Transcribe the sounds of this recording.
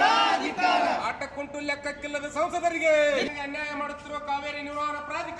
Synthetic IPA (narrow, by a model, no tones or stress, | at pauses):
aːʈːɐkːoɳʈuljɐkːɐkːilːɐd̪ɐsɐwsɐd̪ɐɾiɡeɐŋɡeɐnjaːjɐmaːɽut̪ːiɾoːkaːʋeːɾiniɾaːɐnɐpɾaːd̪ik